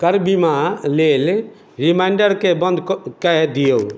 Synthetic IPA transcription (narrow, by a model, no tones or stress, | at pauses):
kəɾbimaleːl | ɾimaɪɳɖəɾkebə̃nd̪kɛd̪ijo